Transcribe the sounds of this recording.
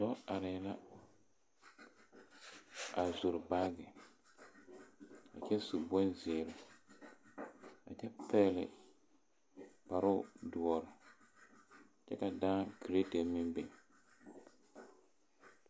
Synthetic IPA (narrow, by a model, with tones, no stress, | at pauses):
tɔ˦a˨ɾɪ˨˦la˦ | a˨zu˨ɾɪ˨ba˦ɡɪ˨ | a˨t͡ʃɛ˦su˨bɔ˦nzɪː˨ɾɪ˨ | a̰˨t͡ʃɛ˦pɛː˦lɪ̰˨ | pa˨ɾʊ˦dʊ˨ɔ˨ɾɪ˨ | t͡ʃɛ̰˦ka˨daː˦kɾe˦te˨mɪ˦mbe˨